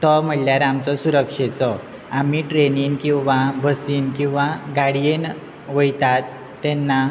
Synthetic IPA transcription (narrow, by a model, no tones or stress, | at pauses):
t̪əm̤əɽljaɾamt͡sɔsuɾəkʂet͡sɔ | amiʈɾeninkĩw̃ʋabʱəsiːnkĩw̃ʋaɡaɽijen | ʋəjt̪at̪ː | ɛnːa